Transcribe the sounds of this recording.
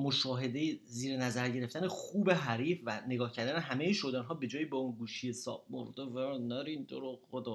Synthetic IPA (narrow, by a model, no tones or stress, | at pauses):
mo̞ʃɒːɦe̞d̪e̞jeziːɾenæzæɾɟe̞ɾe̞ft̪ænexuːbeɦæɾiːfvæne̞ɡɒːhcʰæɾd̪æneɦæmejeʃod̪ɛːnɦɒːbe̞d͡ʒɒːjiːbɒunɡuːʃijesɒ̰ːb̚moɾd̪evænɒɾind̪oɾood̪ɒ